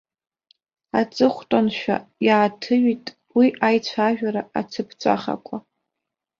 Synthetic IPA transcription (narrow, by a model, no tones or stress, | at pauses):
at͡sʼɨχʷtʼonʃᶣa̰jaːtʰɨɥitʼ | wiʔajt͡ɕʷʰaʒᶣaɾaat͡sʰɨpʰt͡sʷʼa̰χa̰kʷʼʰa